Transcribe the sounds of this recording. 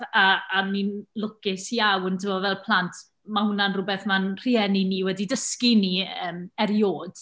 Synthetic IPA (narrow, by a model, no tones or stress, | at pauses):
aaninlˠʊkɪsjawəntʰəmɔvɛlˠpʰlˠantʰ | mahʊnanrʊbɛθmanr̥iɛniniwɛdidəskiniəːmɛɾjoːd̥